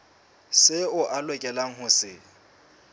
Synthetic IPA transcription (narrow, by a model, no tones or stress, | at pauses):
sɪʊʔalwɛkʼɛlaŋ̩ɦʊsɪ